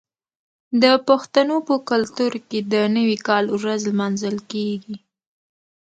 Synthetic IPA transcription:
d̪əpəxt̪anopəkʊlt̪uɾked̪ənəwikɑlwɾazlmɑnzəlkeɡi

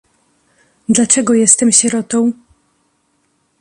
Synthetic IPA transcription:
d̪lat͡ʂɛɡɔjɛst̪ɛmɕɛɾɔt̪ɔ̃w̃

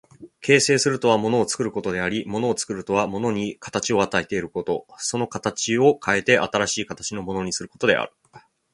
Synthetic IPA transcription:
kʰe̞ːse̞ːsɨɾɯ̟t̪o̞β̞amo̞no̞ːt͡sɨ̥kɯ̟ɾɯ̟ko̞t̪o̞d̪e̞aɾʲimo̞no̞ːt͡sɨ̥kɯ̟ɾɯ̟t̪o̞βamo̞no̞ɲ̟ikḁt̪at͡ɕio̞at̪aet̪e̞iɾɯ̟ko̞t̪o̞so̞no̞kat̪at͡ɕio̞kʰae̞t̪e̞ʔa̰t̪aɾaɕiːkat̪ḁt͡ɕino̞mo̞no̞ɲ̟isɨɾɯ̟kot̪o̞d̪e̞̰a̰ɾɯ̟̥

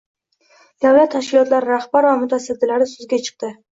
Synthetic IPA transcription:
d̪̥awlat̪ʰːaʃkʲɪlˠɒt̪laɾɪɾahbaɾvamʊt̪ʰasad̪ːɪlaɾɪsʊzɡʲat͡ʃʰɨ̥q̚t̪ɪ

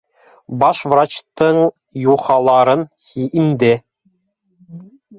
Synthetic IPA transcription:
bɑʃvrɑt͡ɕt̪ɤɴ | juχɑlˠɑɾɤn | hiʔind̪ɘ

